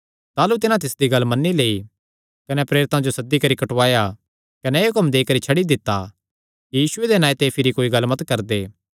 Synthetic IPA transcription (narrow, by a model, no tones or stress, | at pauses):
t̪aːlut̪ɪnãt̪ɪsd̪iɡɐlmɐnːileːi | kɐnɛpɾeːɾɪt̪ãd͡ʒosɐd̪ːikɐɾikɐʈʋaːja | kɐnɛːʊkɐmd̪eːkɐɾit͡ʃʰɐɽid̪ɪt̪ːa | kijiːsʊed̪enaːjt̪epʰɪɾikoːiɡɐlːmɐt̪kɐɾd̪eː